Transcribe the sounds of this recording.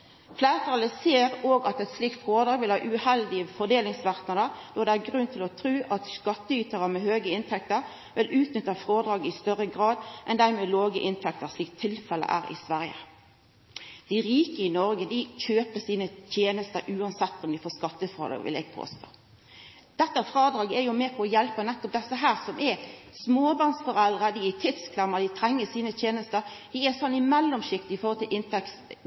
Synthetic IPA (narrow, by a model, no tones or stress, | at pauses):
flæːʁət̪ʰɑləseːɾoːɡɑt̪ɛt̪sliːk̚t̪fʁoːd̪ɾɑːɡʋɪlhɑ̰ːʔʉhɛld̪ɪəfɔd̪eːlɪŋsʋɑʁt̪nəd̪əʁd̪̥ɔd̪ɛæɾɡʁʉnt̪ʰɪlɔt̪ʰɾʉːʔɑt̪skɑt̪ːəyːt̪əʁəmɛɦøːɡəɪnt̪ʰɛk̚t̪əʁ | ʋɪlʉːt̪nʏt̪ːɑfʁoːd̪ɾɑːɡɪst̪œʁəɡʁɑːd̪ʔɛnd̪æɾmɛːloːɡəʔɪnt̪ʰɛk̚t̪əʁsliːk̚t̪ʰːɪlfɛlə̰ʔæ̰ːʁɪ̰sʋæʁjə̰ | d̪̥ɪɾiːkəɪnɔɾɡəd̪ɪçøːpəsiːnət̪ʰjeːnəst̪əɾʔʉːɑnsɛt̪ːɔmd̪ɪfoːskɑt̪ːəfʁɑ̰l̰ːʋɪ̰lɛ̰ɡ̥̚pʰo̰ːst̪o̰ː | d̪̥ɛt̪ːəfɾɑːd̪ɾɑːɡɛɾjʊmɛːpʰɔɔjɛlpənɛt̪ːɔp̚d̪ɛsəɦæːʁsɔmʔɛsmoːbɑnsfɔʁɛld̪ʁəd̪ɪɛt̪ʰɪd̪skʰlɛmːəd̪ɪt̪ʰɾɛŋːəsiːnət̪ʰjeːnəst̪əɾd̪ɪɛsɔnːɪmɛlːɔmsɪkt̪ɪɪfɔʁhɔlt̪ɪlʔɪnt̪ʰɛks